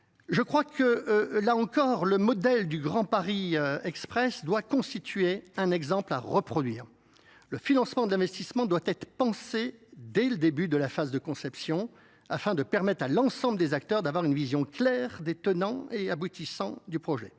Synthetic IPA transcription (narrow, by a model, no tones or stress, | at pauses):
ʒəkχwakʰəlaɑ̃kɔʁləmɔd̪ɛld̪yɡʁɑ̃paʁiøɛkspχɛsd̪wakɔ̃st̪it̪ɥeɛ̃nɛɡzɑ̃pla̰ʁəpχɔd̪ɥiːʁ | ləfinɑ̃smɑ̃d̪əlɛ̃vɛst̪ismɑ̃d̪wat̪ɛt̪χəpɑ̃sed̪ɛləd̪ebyd̪əlafazd̪əkɔ̃sɛpsjɔ̃ | afɛ̃d̪əpɛʁmɛt̪χalɑ̃sɑ̃bləd̪ezak̚t̪œʁd̪avwaʁynvizjɔ̃klɛʁd̪et̪ənɑ̃eabut̪isɑ̃d̪ypχɔʒɛ̰